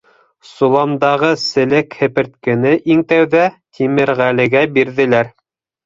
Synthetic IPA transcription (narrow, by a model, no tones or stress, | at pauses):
sulˠɑmd̪ɑʁɤsɘ̆lɘkhɘ̆pɘ̆ɾt̪̚kɘ̆nɘʔiŋt̪æwðæt̪ʲʰimɘɾʁælɘ̆ɡæbiɾðɘ̆læɾ